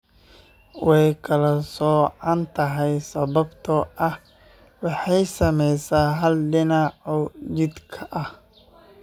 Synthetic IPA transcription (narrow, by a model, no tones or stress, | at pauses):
wɛjkʰɐlɐsɔːʕɑnt̪ʰɐɦɛjsɐβɐbt̪ʰɔʔɐh | wɑħɑjsɐmɛjsaːɦɐlɖɪnɑʕɔt͡ʃɪd̪kʰɐʔɐh